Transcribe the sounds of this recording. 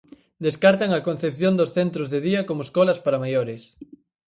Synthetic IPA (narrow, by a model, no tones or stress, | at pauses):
d̪eskaɾt̪aŋɐkon̟θepθjond̪osθent̪ɾozðeðiɐkomoeskɔlɐspaɾamajoɾɪs